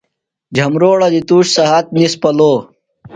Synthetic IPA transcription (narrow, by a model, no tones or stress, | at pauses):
d͡ʑʱɐmɾoːɽɐd̪it̪uːɕsɐɦat̪̚nispɐloː